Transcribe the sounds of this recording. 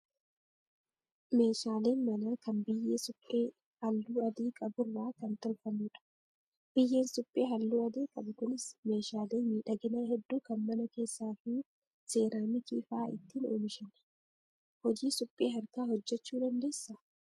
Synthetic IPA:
me̞ːʃaːleːnmɐnaːkɐnbɪjːeːsʊpʼːeː | hɐlːuːɐd̪iːkʼɐbʊɾːaːkɐnt̪ɔlfɐmuːᶑɐ̥ | b̥ɪjːe̞ːnsʊpʼːe̞ːɦɐlːuːɐd̪iːkʼɐbʊkʊnɪsme̞ːʃaːleːmiːᶑɐɡɪnaːhɛd̪ːuːkɐnmɐnɐke̞ːsːaːfɪ | se̞ːɾaːmɪkiːfaːʔɪ̰t̪ːiːno̰ːmɪʃɛnɐ̥ | hɔd͡ʒiːsʊpʼːeːɦɐɾkaːhɔd͡ʒːɛt͡ʃːuːd̪ɐnd̪e̞ːsːa

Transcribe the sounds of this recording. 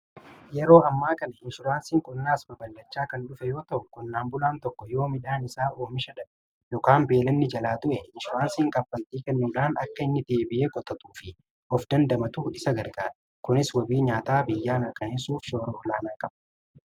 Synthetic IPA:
jɛɾo̞ːɐmːaːkɐnɐhɪnʃʊɾaːnsiːŋkʼʊnːaːsbɐbɐlːɐt͡ʃːaːkɐnɗʊfɛjo̞ːt̪ɐʔʊkʼʊnːaːmbʊlaːnt̪ɔkːɔjo̞ːmɪᶑaːnɪsaːʔoːmɪʃɐᶑɐ | joːkaːmbeːlɐnːɪd͡ʒɐlaːt̪ʊʔɛɪnʃʊɾaːnsiːŋkʼɐfːɐnt̪iːkɛnːʊːᶑaːnɐkːɐɪnːɪd̪eːbɪʔeːkʼɔt̪ʼɐt̪uːfɪ | ʔɔfd̪ɐnd̪ɐmɐt̪ʊɪsɐɡɐɾɡaːᶑɐ̥ | kʊnɪswɐbiːɲaːt̪aːbɪjːaːnɐkʼɐnesuːfʃo̞ːɾɐʔɔlaːnaːkʼɐb̥ɐ

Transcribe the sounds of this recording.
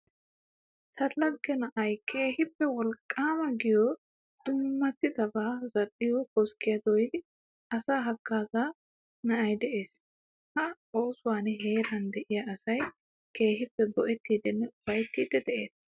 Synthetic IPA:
sɐlːɐɡːɛnɐʔɐjkʰe̞ːhɪpːɛwɔlkʼːaːmɐɡɪjɔ | d̪̥ʊmːɐt̪ːɪd̪ɐbaːzɐɗːɪjɔkɔskːɪjɐd̪ɔjɪd̪ɪ | ɐsaːɦɐkːaːza | nɐʔɐjd̪ɛʔe̞ːs | hɐ | oːsʊwaːnɦe̞ːɾɐnd̪ɛʔɪjɐɐsɐj | ke̞ːɦɪpːɛɡɔʔɛt̪ːiːd̪ɪnːɛb̥ɐjt̪ːiːd̪ːɛd̪ɛʔe̞ːs

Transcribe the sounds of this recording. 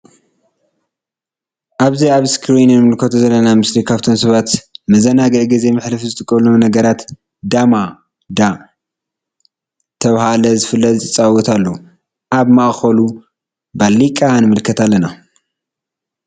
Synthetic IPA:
ʔaβziaβskʰɾinnɨmɨlkʰot̪ʰzɐlːɐnamɨslikʰaβt̪ʰo̞msɐβat̪mɐzɐnaɡɨʕɡize̞mɨħlɨfzɨt̪ʰʼɨkʼːɐlomnɐɡɐɾat̪ | d̪ama | d̪a | t̪ʰɐβhalɐzɨfɨlːɐzʼt͡sʼawɔt̪ʰalːou | ʔaβmaʔxɐlu | balːikʼanɨmɨlkʰɐt̪ʰalːɐna

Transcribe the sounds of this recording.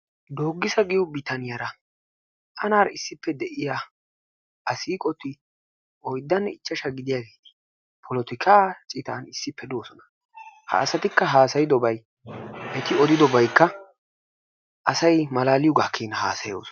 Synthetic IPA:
d̪oːɡːɪsɐɡɪjɔbɪt̪ɐnɪjɐɾɐ | ʔɐnaːɾɪsːɪpːɛd̪ɛʔɪja | ʔɐsiːkʼɔt̪ːɪ | ʔɔjd̪ːɐnːɛɪt͡ʃːɐʃɐɡɪd̪ɪjaːɡe̞ːt̪ɪ̥ | pʰɔlɔt̪ɪkʰaːt͡ʃʼɪt̪aːnɪsːɪpːɛd̪o̞ːsɔnɐ̥ | ha̰ːsɐt̪ɪkːɐɦaːsɐjɪd̪ɔbɐj | ʔɛt̪ɪɔd̪ɪd̪ɔbɐjkːɐ | ʔɐsɐjmɐlaːlɪjʊɡaːkʰːiːnɐha̰ːsɐjo̰ːsɔ

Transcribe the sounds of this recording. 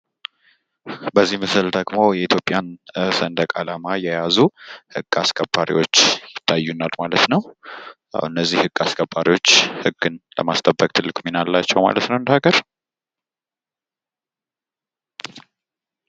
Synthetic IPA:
bəzːihmɨsɨld̪əɡmojɛit̪ʰjo̞pʼːjansənd̪əkʼalamajɛjazuhɨɡ̥ʼːaskʼəbːaɾḭwo̞t͡ʃːjɪt̪ʰːajːunalmalət̪nəw | a̰ɨnːəzːihɨɡ̥askʼəbːaɾiwo̞t͡ʃːhɨɡːɨnlə̰mast̪ʼʰəbːək̚ʼt̪ʰɨlːɨkʼminalːat͡ʃːɛwma̰lət̪nəwɨnd̪əhaɡəɾ

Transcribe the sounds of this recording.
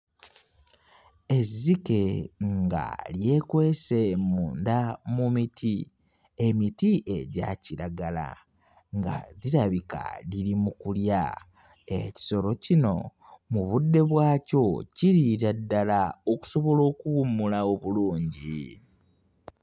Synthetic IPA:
e̞zːike̞ŋŋɡa̰lje̞ːkwe̞ːsemuːndamumitʰi | e̞mitiʔe̞ɟa̰ciɾaɡala̰ | ŋɡa̰ðiɾaβika̰liɾimukulja̰ | eci̥so̞ɾo̞cino̞̰ | muβudːe̞βwaːco̞ciɾiɾadːalao̞ku̥so̞βo̞lo̞ːkuβumːulao̞βuluːɲɟi

